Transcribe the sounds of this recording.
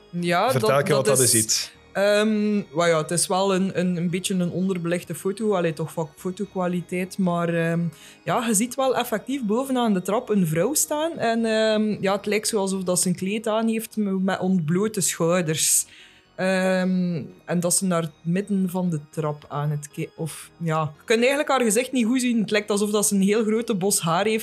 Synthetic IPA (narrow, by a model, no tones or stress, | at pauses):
jaːərɛlˠkədɪsit | əːmwajaətɪsʋɛlˠənənənbɪtjənənɔndərbəlɪxdəfoːtoːɑlɪːtɔxfakfoːtokwalitɛːtmaːrəːm | jaːɣəzitʋɛlˠɛfɛk̚tifboːvənaːndətrɑpənvrɔwstaːnɛnəːmjaːətlɛjk̚tsoːɑlˠzɔfdɑtsənkleːtaːnɦeːftmɛʔɔn̚bloːtəsxœːdərs | əːmɛndɑtsənaːrəmɪdənvɑndətrɑpaːnətkeɔfjaːkɵntɛːɣənləkhaːrɣəzɪxtniɣuzinətlɛːk̚tɑlˠzɔfdɑtsənɦeːlˠɣroːtəbɔsɦaːrɦeːft